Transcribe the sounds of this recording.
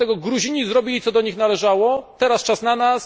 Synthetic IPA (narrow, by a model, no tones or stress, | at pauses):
t̪ɛɡɔɡɾuʑiɲizɾɔbʲilʲit̪sɔd̪ɔɲixnalɛʐawɔt̪ɛɾast͡ʂasnanas